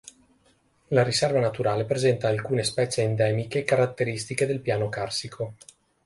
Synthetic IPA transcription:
laɾisɛrvanat̪uɾaːlepɾezɛnt̪aːlkuːnespɛːt͡ʃeːnd̪ɛːmikekaɾat̪ːeɾist̪iked̪elpjaːnokarsikʰo

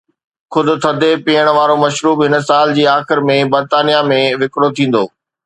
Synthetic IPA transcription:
xʊd̪ʊ̆t̪ʰɐd̪ʱepiːəɽ̃ʋaːɾomɐʃɾuːbɦɪnsaːld͡ʑiːaːxɪɾmẽbɐɾt̪aːnijamẽʋɪkɽot̪ʰĩːn̆d̪o̰ː

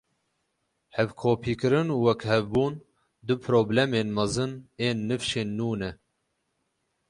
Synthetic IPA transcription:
hɛvkʰoːpʰiːkɨɾɨnuwɛkhɛvbuːn | d̪ɨpʰɨɾoːblɛmeːnmɐzɨneːnːɨfʃeːnːuːnɛ

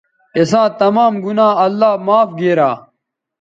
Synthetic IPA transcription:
esãːt̪ɐmaːmɡunaːɐlːaːmaːfɡeːɾaː

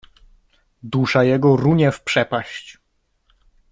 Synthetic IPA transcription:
d̪uʂajɛɡɔɾuɲɛfpʂɛpaɕt͡ɕ

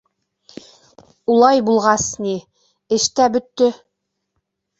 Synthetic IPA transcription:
ulˠɑjbulˠʁɑsni | ɘ̆ʃt̪æbɵ̆t̪ːɵ

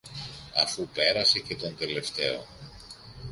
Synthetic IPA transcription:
ɐfupe̞ɾɐse̞ce̞t̪o̞nt̪e̞le̞ft̪e̞o̞̰

